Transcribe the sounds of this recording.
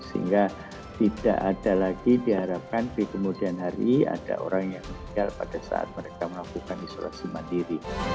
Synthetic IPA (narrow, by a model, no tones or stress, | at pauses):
səɦḭŋɡa | t̪ida̰ʔadalaɡidiɦaɾap̚kantɾikəmudianɦaɾḭa̰da̰ʔo̰ɾaŋjaŋməsikalpadasa̰a̰t̪̚məɾekaməlakukaniso̰lʔa̰simandiɾi